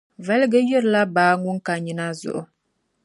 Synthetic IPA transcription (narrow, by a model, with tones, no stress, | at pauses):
vɛ˨˦lɡɨ˦jɛ˦ɾɨ˨la˦baː˨˦ŋʊ˦ŋka˨ɲi˨na˦zʊ̰˨ʔʊ˦